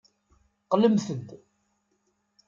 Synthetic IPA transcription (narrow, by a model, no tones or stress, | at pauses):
qːləmθənd̪